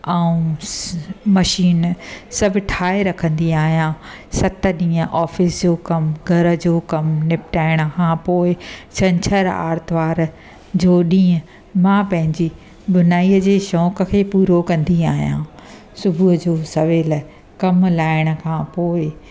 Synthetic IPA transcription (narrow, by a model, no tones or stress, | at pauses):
aũ | mɐʃiːnsɐbʱɪʈʰaːeɾɐkʰə̃nd̪iaːɦijãː | sɐt̪ə̆ɗĩːə̃ʔɔːfɪsd͡ʑoːkɐmɡʱɐɾə̆d͡ʑoːkɐmnɪpʈaːɪɽ̃əkʰãːpoːɪt͡ɕʰɐ̃ɲt͡ɕʰəɾa̰ːɾt̪ʋaːɾ | d͡ʑoːɗĩːə̃ | mãpɐ̃ɦɪ̃ɲd͡ʑi | bʊnaːiəd͡ʑeːʃɔːkəkʰeːpuːɾokɐ̃nd̪iaːɦijã̰ | sʊbʱuɦəd͡ʑoːsɐʋeːl | kɐmlaːɪɽ̃ə̆kʰãːpoːɪ